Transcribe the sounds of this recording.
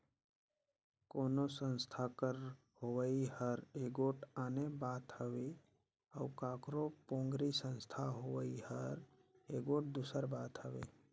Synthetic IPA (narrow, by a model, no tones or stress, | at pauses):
koːnosə̃nst̪ʰakəɾ | howəihəɾeːɡoːʈaːnebaːt̪həʋe | əʊkaːkɾopõːŋɡɾisə̃nst̪ʰaɦoʋəihəɾeːɡoːʈ̚d̪usəɾbaːt̪ɦəʋḛː